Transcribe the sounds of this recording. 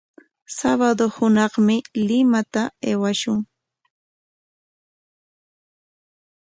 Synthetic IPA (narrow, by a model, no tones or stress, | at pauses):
saβad̪ohʊnɑχmɪlɪmat̪aeːwaʃʊŋ